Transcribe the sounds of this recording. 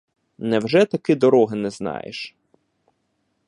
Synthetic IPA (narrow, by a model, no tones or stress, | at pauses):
nɛwʒɛt̪ɐkɪd̪ɔɾɔɦɪnɛznɑ̰jɪ̰ʃ